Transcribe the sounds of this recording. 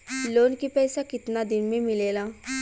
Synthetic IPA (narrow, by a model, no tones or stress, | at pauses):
loːnkipɛːsakɪt̪nad̪ɪnmẽmɪleːlaː